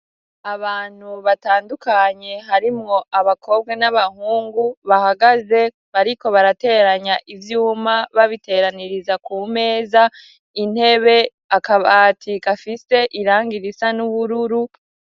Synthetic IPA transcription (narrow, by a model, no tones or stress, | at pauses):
aβaːn̥huβataːndukaɲe̞ɦaɾimŋo̞ʔaβakʰo̞b̚ɡanaβahuːŋɡuβahaɡaze̞ | βaɾiko̞βaɾate̞ɾaɲaʔivjuːmaβaβite̞ːɾaniɾizakuːme̞ːza | in̥he̞βe̞ | akaβatʰikafise̞ʔiɾaːŋɡiɾisanuβuɾuɾu